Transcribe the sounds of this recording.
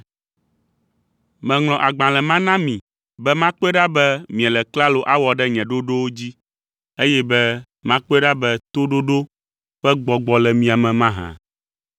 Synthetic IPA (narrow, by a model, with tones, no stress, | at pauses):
mɛ̃˨ŋl̃ɔ̃˨ʔa˨ɡ͡bã˨lɛ˨mã˦nã˦mĩ˨ | bɛ˦mã˦k͡po˦ɛ˦ɖa˦bɛ˦mĩ˨ɛ̃˨lɛ˨kla˦lo˨ʔa˦wɔ˨ɖɛ˦ɲɛ̃˨ɖo˦ɖo˦wo˦d͡ʑi˦ | e˦jɛ˦bɛ˦ | mã˦k͡po˦ɛ˦ɖa˦bɛ˦t̪o˦ɖo˦ɖo˦ | ɸɛ˦ɡ͡bɔ˨ɡ͡bɔ˨lɛ˨mĩ˨a˨mɛ̃˨mã˦ɦã̰˨